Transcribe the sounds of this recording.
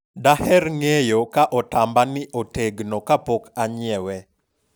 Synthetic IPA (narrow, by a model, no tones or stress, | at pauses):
dahɛɾŋejokaʔɔtambanɪʔoteɡnɔkapokʰaɲɪɛwɛ